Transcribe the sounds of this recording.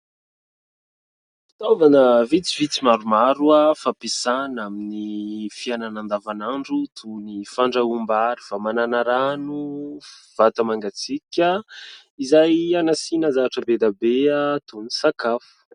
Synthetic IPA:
fi̥t̪ovanəvit͡sivit͡simaɾumaɾuafapesanaminifiananand̪avanaɳɖ͡ʐut̪ʰunifaɳɖ͡ʐaumbaɾifamananaɾanu | v̥at̪əmaŋɡat͡sikʲə | izajanasinəzaaʈ͡ʂəbed̪abeat̪unisakafu̥

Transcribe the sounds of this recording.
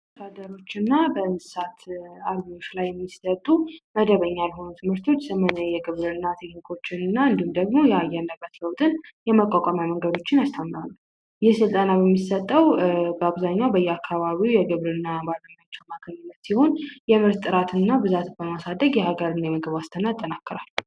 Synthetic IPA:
d̪ad̪əɾo̞t͡ʃːɨnːabənɨ̥sat̪ʰaɾɡijo̞t͡ʃːlajːɛmːisət̪ʼːuməd̪əβəɲːalho̞nut̪ʰɨmhɨɾt̪ʰo̞t͡ʃːsəmənəjɛɡɨβɾɨnːat̪ʰekɲikʰʼo̞t͡ʃːɪnɨnːaɨnd̪ihumd̪əɡmo̞jɛajːɛɾnd̪əbːət̪ləwt̪ʼɨnjɛməkʷʼakʷʼamjaməŋɡəd̪o̞t͡ʃːɪnast̪ʰamːɾalːu | jɪhsɨlt̪ʼanabəmːisət̪ʼːəwbəaβzaɲːawbəjːɛakʰːaβaβiwjɛɡɨβɾɨnːabaɾɾəɲːat͡ʃːəmakʰəɲːɨnːət̪siho̞njɛmɨɾt̪ʼːɨɾat̪ʰɨnɨnːabɨzat̪bəmasad̪əɡjɛhaɡəɾɨnajɛməɡɨβast̪ʰənat̪ʼːənakːəɾalː

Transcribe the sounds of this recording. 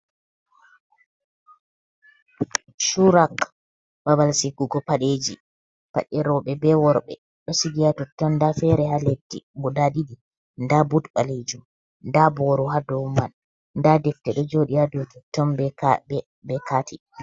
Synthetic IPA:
ʃuɾak | babalsikuɡɔpaɗed͡ʒi | pa̰ɗɛɾɔɓɛbɛwɔɾɓɛ̰ | ɗɔsiɡijatɔtːɔndafɛɾɛhaletːḭbɔdadidi | ndabutɓaled͡ʒum | ndabɔɾuɦadɔwmːan | ndadɛftɛɗɔd͡ʒoɗiadɔtɔtːɔmbɛɛ | bɛkaːti

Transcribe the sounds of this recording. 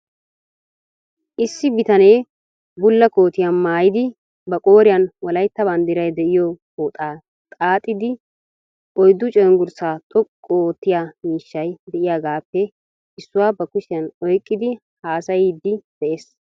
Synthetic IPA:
ʔɪsːɪbɪt̪ɐne̞ː | bʊlːɐko̞ːt̪ɪjanmaːjɪd̪ɪ | bɐkʼo̞ːɾɪjɐnwɔlɐjt̪ːɐbɐnd̪ɪɾɐjd̪ɛʔɪjɔ | oːt̪ʼaː | t̪ʼaːt̪ʼːɪd̪ɪ | ʔɔjd̪ːʊt͡ʃʼɛːŋɡʊɾsaːt̪ʼɔkʼːoːt̪ːɪjamiːʃːɐjd̪ɛʔɪjaːɡaːpːɛ | ɪsːʊwaːbɐkʊʃɪjɐnɔjkʼːɪd̪ɪ | haːsɐjid̪ːɪd̪̥ɛʔe̞ːs

